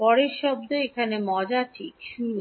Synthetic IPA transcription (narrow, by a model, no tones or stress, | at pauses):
pɔɾeɾʃɔb̚d̪oekʰanemɔd͡ʑaʈʰikʃu